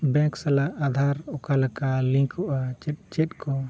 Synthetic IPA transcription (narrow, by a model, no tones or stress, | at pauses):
bɛ̃ksalaad̪ʱaɾɔkalɛkalĩkɔʔat͡ʃɛt͡ʃɛtkɔ